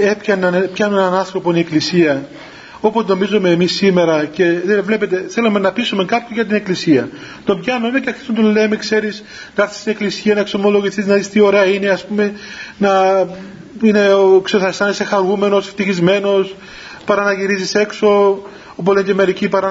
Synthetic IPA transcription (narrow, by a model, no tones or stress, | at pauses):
e̞pçɐnɐnepçɐnuenɐnɐnθɾo̞ponieklisiɐ | o̞pot̪no̞mizome̞ːmisːime̞ɾɐce̞evle̞pet̪e̞θe̞lome̞nɐpisume̞kɐpçoʝɐt̪̬ine̞klisiɐt̪o̞mbçɐnomeceki̥sont̪ole̞mekse̞ɾis | nɐɐɾθi̥st̪ine̞klisiɐnɐekso̞mo̞lo̞ʝiθiznɐðist̪io̞ɾeɐine̞ɐspume̞nɐ | ine̞kseθɐsɐnesexɐɾume̞no̞sft̪içizme̞no̞s | pɐɾɐnɐʝiɾizise̞kso̞ | op̬oðeɲceme̞ɾicipɐɾɐ